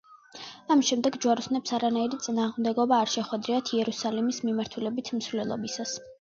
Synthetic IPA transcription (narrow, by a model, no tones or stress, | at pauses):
amʃɛmd̪ɛɡd͡ʒuwaɾusnɛpsaɾanaiɾit̪sʼinaːʁmd̪ɛɡɔbaːɾʃɛχwɛd̪ɾiat̪ʰiɛɾusalimismimaɾt̪ʰulɛbit̪ʰm̩svlɛlˠɔ̰bisas